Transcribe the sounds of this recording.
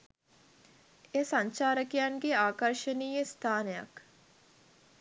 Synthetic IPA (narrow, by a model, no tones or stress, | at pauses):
esaɲt͡ʃaːɾəkijanɡeaːkəɾʃəniːjest̪ʰaːneja̰k